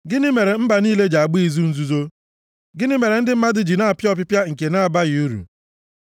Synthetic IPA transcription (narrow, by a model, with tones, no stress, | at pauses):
ɡɪ˦nɪ˦me˨ɾe˨m̩˦ba˨niː˦le˦d͡ʒa˨a˨ɡ͡bi˦i˨zu˦n̩˦zu˦zo˦ | ɡɪ˦nɪ˦me˨ɾe˨n̩˦dɪ˦m̩˦ma˦dɪ˦d͡ʒi˨na˦a˨pjɔ˦p̬ɪ˦pja˦ŋ̩˨ke˨na˦a˨ba˦ɣi˨u˦ɾṵ˨